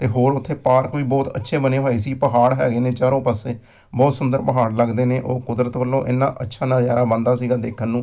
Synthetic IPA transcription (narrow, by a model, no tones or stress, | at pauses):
t̪eːɦoːɾʊt̪ʰːeːpaːɾkoːiːbɔːt̪ə̰tːʃʰeːbənẽːɦoːeːsiːpəɦaːɽɦɛ̰ːɡiːneːt͡ʃaːɾõːpəseː | bɔːt̪sʊnd̪əɾpəɦaːɽləɡd̪eːneːʔoːkʊd̪ɾət̪kəlːõːʔɪnːã̰ːʔətːʃʰaːnãːzjaːɾaːbənd̪aːsiːɡaːd̪eːkʰənːũː